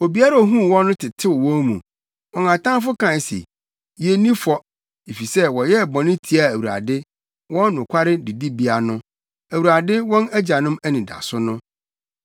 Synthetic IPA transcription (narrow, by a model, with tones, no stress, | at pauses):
o˨bi˨a˦ɾa˨o˨ɦũ˦˨wɔ̃˦nʊ̃˦tʰɪ˨tʰɪ˦wwɔ̃˦mṵ̃˨ | ɔ̃˨ŋ˨ã˨tʰã˦nfʊ˦kʰã˨n˨sḛ˨ | je˨˦nĩ˦fɔ˦ | e˨fi˨sɛ˦wɔ˨jɛ˦˨bɔ̃˨nɪ̃˦tʰi˨a˨æ˨wu˨ɾa̰˨dɪ˦ | wɔ̃˦nnʊ̃˨kʷʰa˦ɾɪ˦di˨di˦bi˦a˨nʊ̃˦ | æ˨wu˨ɾa˨dɪ˦wɔ̃˦næ˦d͡ʑa˨nʊ̃˦mæ˦nĩ˨da̰˨sʊ˦nʊ̃˦